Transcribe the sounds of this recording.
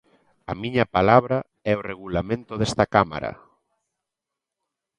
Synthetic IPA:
ɐmiɲɐpalaβɾa | ɛoreɣ̞ulamẽnt̪ʊðɛst̪ɐkama̰ɾɐ̰

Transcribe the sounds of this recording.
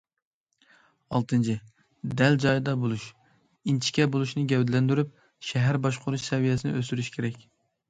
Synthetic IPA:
ɑlˠt̪ʰɨnt͡ʃʰɪ | d̪ɛld͡ʒɑjd̪ɑbolˠuʃ | int͡ʃʰi̥kʲɛbolˠuʃnɨɡʲɛwd̪ɪlɛnd̪yɾyp̚ | ʃɛɦæɾbɑʃqʰʊɾuʃsɛvijɛsɪnɪ̰ʔøsyɾyʃkʲʰeɾɛkʲ

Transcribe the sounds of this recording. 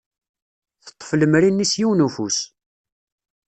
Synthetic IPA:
θə̥t̪ˤːfləmɾinːisjiwnufus

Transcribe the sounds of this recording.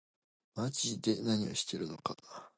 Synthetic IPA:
mat͡ɕid̪e̞naɲ̟io̞̰ɕi̥t̪e̞ɾɯ̟no̞ka

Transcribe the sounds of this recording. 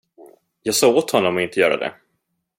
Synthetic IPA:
jɑːɡsɑːɡoːt̪hɔnːɔmɔɪnt̪əjœːɾa̰d̪ɛ̰

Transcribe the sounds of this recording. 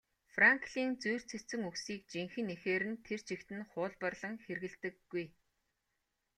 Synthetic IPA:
fraŋkʰɮiːnt͡sujr̥t͡sʰet͡sɘ̆ŋuksiːk̚t͡ɕiŋxɘ̆nexeːɾɘ̆nt̪ʰer̥t͡ɕʰikt̪ɘ̆nχʊːɮpə̆rɮə̆ŋxerɣɘ̆ɮt̪ɘ̆kːuj

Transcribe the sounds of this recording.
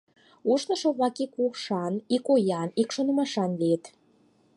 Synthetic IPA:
uʃnə̆ʃŏβlɑkikuʃɑnikojɑnikʃonəmɑʃɑnliet̪

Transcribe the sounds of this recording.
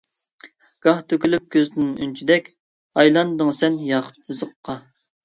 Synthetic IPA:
ɡ̥ɑht̪ʰøkʲylyp̚kʲʰøzd̪ynynt͡ʃʰid̪ɛkʲ | ɑjlˠɑnd̪ɨŋsɛnjɑqʰʊt̪̚hɨzəqːɑ

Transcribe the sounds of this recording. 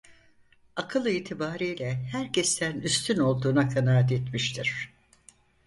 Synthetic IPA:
akʰɯlˠɯiːt̪ʰibaːɾiːlʲɛhæɾcʰest̪ʰænyst̪ʰyno̞lˠd̪uːnakʰanaːat̪et̪miʃt̪ʰiɾ̝̥

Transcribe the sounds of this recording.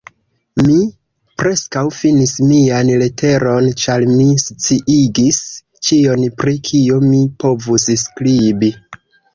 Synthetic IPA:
mi | pɾe̞skawfinismianle̞tʰe̞ɾo̞nt͡ʃaɾmist͡siʔiɡis | t͡ʃio̞npɾikʰiomipo̞vusskɾibi

